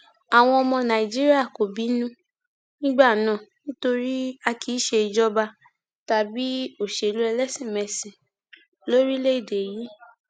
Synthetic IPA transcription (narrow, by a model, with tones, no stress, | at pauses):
a˨w̃ɔ̃˧ɔ˧mɔ̃˧nã˨i˨d͡ʒi˦ɾi˦a˦˨ko˨bi˨˦nũ˦ | nĩ˦ɡ͡ba˦˨nãː˦˨nĩ˦to˧ɾi˦a˧kʰi˨˦ʃe˧i˧d͡ʒɔ˦ba˧ | ta˨bi˦o˦˨ʃe˨lu˦ɛ˧lɛ˦sĩ˦˨mɛ˧˨sĩ˨ | lo˦ɾi˦le˦i˦˨de˨ji˨˦